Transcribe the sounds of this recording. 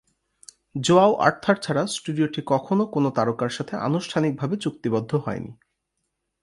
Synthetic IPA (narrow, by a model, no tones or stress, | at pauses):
d͡ʑoaoʔa̰ɾt̪ʰaɾt͡ɕʰaɾasʈuɖioʈikɔkʰonokonot̪aɾokaɾʃat̪ʰeʔa̰nuʃʈʰanik̚bʱabet͡ɕuk̚t̪ibɔd̪ʱːoɦɔenḭ